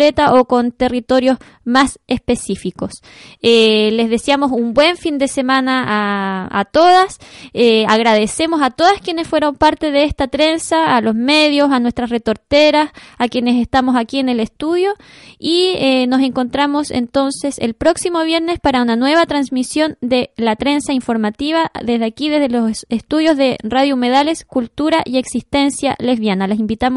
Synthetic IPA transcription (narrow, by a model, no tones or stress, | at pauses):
et̪aʔoko̞nt̪erit̪o̞ɾjo̞s | masespesifiko̞s | ele̞zðe̞sjamo̞sumbwe̞ɱfind̪e̞se̞manaaa̰t̪o̞ðaseaɣɾað̞e̞se̞mo̞sat̪o̞ðaskje̞nesfwe̞ɾo̞mpaɾt̪e̞ðeest̪at̪ɾe̞nsaːlo̞sme̞ðjosanwest̪ɾasret̪oɾt̪eɾasakje̞ne̞s̬est̪amo̞sakiene̞lest̪uðjo̞ | ieno̞se̞ŋko̞nt̪ɾamo̞sḛnt̪o̞nse̞sḛlpɾo̞ksimo̞β̞je̞ɾne̞spaɾaunanwe̞βat̪ɾansmisjo̞nd̪e̞lat̪ɾe̞nsaiɱfo̞ɾmat̪iβ̞aðe̞zðeakiðe̞zðelossest̪uðjo̞zðe̞raðjoume̞ðale̞skult̪uɾaʔie̞ksist̪e̞nsja̰le̞zβjanalasimbit̪amo